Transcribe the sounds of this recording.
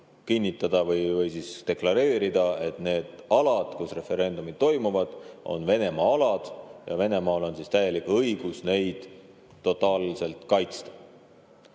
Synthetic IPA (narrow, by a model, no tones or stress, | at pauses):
kinʲːit̪ːˑɑd̪̥ɑvɤjvɤjsist̪e̞klɑɾe̞ːɾid̪̥ɑe̞t̪ne̞ːd̪̥ɑlɑd̪̥kusre̞fe̞ɾe̞nd̪̥umid̪̥t̪ːo̞jmuvɑd̪̥o̞̰nve̞ne̞mɑɑlɑd̪̥jɑ̰ve̞ne̞mɑːlo̞nsist̪æjelikɤiɡ̥usne̞jd̪̥ː | o̞t̪ːˑɑːlse̞lt̪ˑkɑjt̪st̪ɑ̥